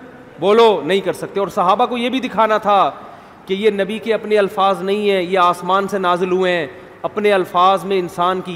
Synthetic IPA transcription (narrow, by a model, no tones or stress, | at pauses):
boːlonɐɦĩkɐɾsɐk̚t̪ẽɔːɾsɐɦaːbakojebʱid̪ɪkʰaːnat̪ʰa | kejenɐbikeɐpneɐlfaːznɐɦĩɦɛ̃jeaːsmaːnsenaːzɪlɦueɦɛ̃ | ɐpneɐlfaːzmẽɪnsaːnki